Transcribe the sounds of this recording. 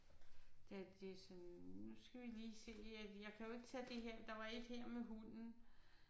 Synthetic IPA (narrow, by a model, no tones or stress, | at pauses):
d̥æd̥e̝sɒnnusɡ̥æʋiliːse̝̰ːæjɑ̈ɪkʰæjo̝e̝ɡ̥ət͡sʰæd̥e̝ɦeɐ̰d̥ɑ̈ʋɑ̈e̝d̥heɐ̰meɦunn̩